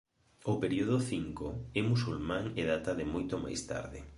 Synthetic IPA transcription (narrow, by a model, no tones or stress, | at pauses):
opeɾioðoθiŋkoɛmusulmãŋeðat̪aðɪmojt̪oma̰jst̪a̰ɾðɪ